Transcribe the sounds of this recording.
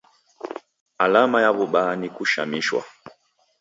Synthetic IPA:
alamajaβuɓanikuʃa̰miʃwa̰

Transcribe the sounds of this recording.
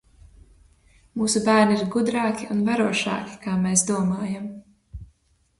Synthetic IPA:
muːsubæːɾniiɾɡud̪ɾɑːkiunvaɾuɔʃɑ̰ːki̥kaːmeːs̬d̪uɔmaːjam

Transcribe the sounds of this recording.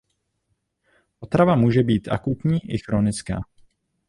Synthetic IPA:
ʔo̞t̪ɾavamuːʒɛbiːt̪ʔa̰kut̪ɲiːʔɪxɾonɪt͡ska̰ː

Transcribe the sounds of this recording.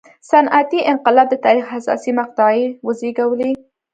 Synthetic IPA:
sanʔat̪iʔɪnqɪlɑb̚d̪ət̪ɑɾixasɑ̰simaq̚t̪ɑewəzeɡawəli

